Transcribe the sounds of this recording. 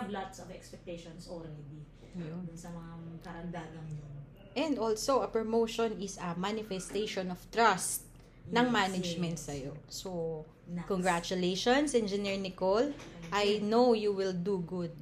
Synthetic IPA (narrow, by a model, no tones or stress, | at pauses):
blat̪sɔvɛkspɛk̚t̪eʃɔnsoɾɾɛd̪i | jʊd̪ʊnsɐmɐŋakɐɾɐnd̪aːɡɐŋɲon | ʔɛ̃nd̪oːlsoʔɐpɹomowʃɔnɪsɐmanɪfɛst̪ejʃɔnɔft̪ɹast̪̚ | nɐŋmanɐd͡ʒmɛnt̪sɐjoso | kɔŋɡɹat͡ʃʊlejʃonsʔɛnd͡ʒɪniɹnɪkolʔɐjnowjuwɪld̪uɡʊd̪̚